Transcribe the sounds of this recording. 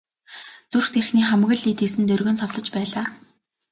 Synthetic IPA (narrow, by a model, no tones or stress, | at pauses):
t͡surxt̪erxniːχamɣə̆ɮiːt̪iːs̬ɘ̆nt̪ɵrɣɵ̆nsɔwɮə̆t͡ɕpæːɮaː